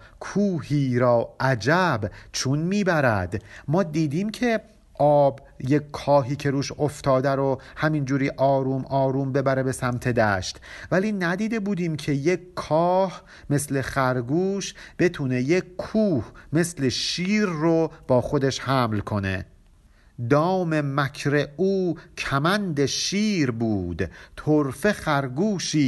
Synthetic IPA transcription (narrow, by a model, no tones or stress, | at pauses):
kʰuːhiːɾɒːʔæd͡ʒæbt͡ʃʰunmiːbæɾæd̪mɒːd̪iːd̪iːmcʰe̞ | ʔɒːb | jeckʰːɒːɦiːcʰe̞ɾuːʃoft̪ʰɒːd̪æɾohæmind͡ʒuːɾiːʔɒːɾuːmʔɒːɾuːmbe̞bæɾe̞be̞sæmt̪ʰe̞d̪æʃt̪væliːnæd̪iːd̪ebuːd̪iːmcʰe̞jekkʰːɒːh | me̞sle̞χæɾɡuːʃb̥e̞t̪ʰuːne̞jekʰkʰuːhme̞sleʃiːɾːob̥ɒːxo̞d̪e̞ʃhæmlkʰo̞ne̞̰ | d̪ɒːme̞mækʰɾeuːcʰæmænd̪eʃiːɾbuːd̪t̪ʰoɾfe̞χæɾɡuːʃiː